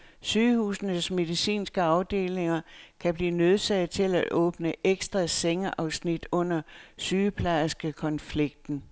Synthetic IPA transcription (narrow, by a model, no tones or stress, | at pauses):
syːhṵːsnəsme̝ðˠisḭːnsɡ̥əɑ̈ʊd̥e̝̰ːle̝ŋɐkʰæb̥liːnøð̞ˠsæð̥t͡sʰe̝læd̥ɔ̽ːb̥nəʔeɡ̥sd̥ʁɐseŋəʔɑ̈ʊsnid̥ɔ̽n̰ɐsyːpʰlɑɪsɡ̥əkʰɒ̽nfliɡ̥̚d̥n̩